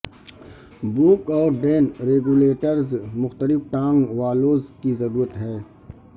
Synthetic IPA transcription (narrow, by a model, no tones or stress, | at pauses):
buːkɔːɾɖeːnɾeːɡuleːʈəɾzmʊxt̪əlɪfʈãːŋɡʋaːloːzkizɐɾuːɾət̪ɦɛː